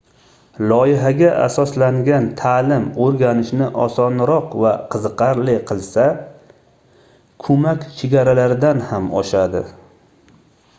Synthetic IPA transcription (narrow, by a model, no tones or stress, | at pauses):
lˠɒɪɦaɡʲaʔa̰sɒslaŋɡʲant̪ʰaːlɪmoɾɡʲanɪʃnɪʔɒsɒnɾɒqvaqʰɨzɨqɑɾlɪqʰɨlˠsa | kʰɵmakʲt͡ʃʰeɡʲaɾalaɾɪd̪anhamɒʃad̪ɪ̰